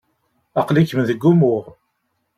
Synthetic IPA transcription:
ɑqlikəmðəɡːumʊʁ

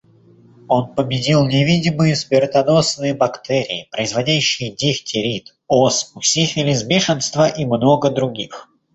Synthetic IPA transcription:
o̞npəbʲɪdʲilˠnʲɪvʲidʲɪmɨjʊspʲɪrt̪ɐd̪o̞snɨjəbɐkt̪ɛɾʲɪ̰ɪpɾəɪzvɐdʲæɕːɪjədʲɪxtʲɪɾʲit̪ | osʊsʲixʲɪlʲɪzbʲɪʂɨnst̪vəʔimno̞ɡəd̪ɾʊɡʲix

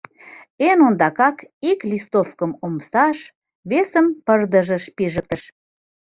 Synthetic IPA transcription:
enond̪ɑkɑkiklʲist̪ofkəmomsɑʃ | βesəmpərd̪əʒə̆ʃpiʒək̚t̪ə̆ʃ

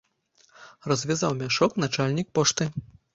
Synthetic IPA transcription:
rɐzʲvʲazawmʲaʂɔknat͡ʂalʲnʲik̚pɔʂt̪ɨ

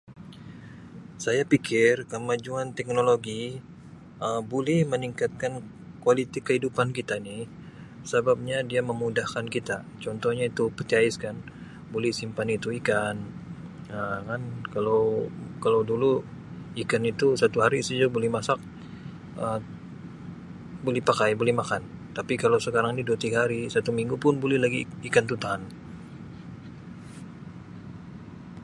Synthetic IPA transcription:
sajapikɪrkəmad͡ʒuant̪ɛk̚noloɡi | əbolɛhməniŋkat̪̚kan | kualit̪ikəhidupankit̪anɪh | sabap̚ɲadiaməmudahkankit̪a | t͡ʃɔnt̪ɔhɲait̪upərt̪iaɪskan | bolɛhsimpanit̪uikan | əkankalawkalawdulu | ikanit̪usat̪uɦaɾisəd͡ʒubolɛhmasak̚ | ə | bolɛhpakajbolɛhmakant̪apikalawsəkaɾaŋnidot̪iɡhaɾisat̪umiŋɡupʊnbolɛhlaɡiikant̪ut̪aɦan

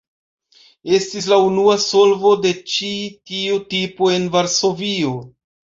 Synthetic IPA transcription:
e̞stis̬launuaso̞lvo̞de̞t͡ʃitiutipoe̞nvaɾso̞vio̞

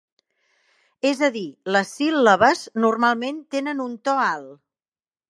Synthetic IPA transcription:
ezəðiləsilːəβəznurmalˠment̪enənunt̪ɔalˠ

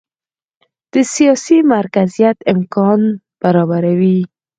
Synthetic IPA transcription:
d̪̥əsijɑsimaɾkazijat̪ɪmkɑn | b̥aɾɔbaɾawi

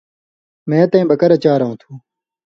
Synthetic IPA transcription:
mẽːt̪ẽĩːbɐkɐɾɐt͡ɕaːɾɐɦũːt̪ʰuː

